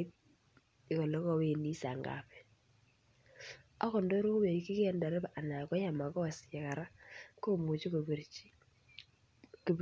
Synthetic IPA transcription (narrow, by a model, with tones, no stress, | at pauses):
t̚ | ɪ˨kɔ˨lɔ˦kɔ˨we˦˨ni˦sa˨ŋɡa̰˨pɛ̥˦ | a˦kɔ˨ndo˦ɾo˦be˨i˦ki˦kɛ˦˨nda˨ɾɛ˦ba˨ʔa˨na˨kɔ˦ja˨ma˨kɔ˦˨sɛ˨ka˨ɾa˦ko˦mu˨t͡ʃi˦k | ki˨